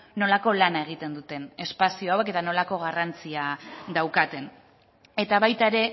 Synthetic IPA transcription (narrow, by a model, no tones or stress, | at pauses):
no̞lako̞lanae̞ɣ̞it̪e̞nd̪ut̪e̞ne̞spasio̞awe̞ke̞t̪ano̞lako̞ɣ̞arant͡siad̪awkat̪e̞n | e̞t̪aβajt̪aeɾe̞